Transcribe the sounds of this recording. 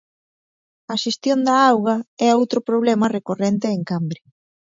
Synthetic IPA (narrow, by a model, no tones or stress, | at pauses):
ɐʃest̪jond̪ɐawɣɐɛowt̪ɾʊpɾoβ̞lɛmɐrekorent̪eːŋkambɾɪ